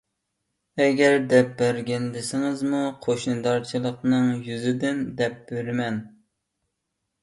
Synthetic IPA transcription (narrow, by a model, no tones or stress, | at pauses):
ɛɡʲɛɾd̪ɛp̚bæɾɡʲɛnd̪ɪsɪŋɪzmuqʰoʃnɨd̪ɑɾt͡ʃʰilˠəqnɨŋjyzɪd̪ɪnd̪ɛp̚b̥ølɪmɛn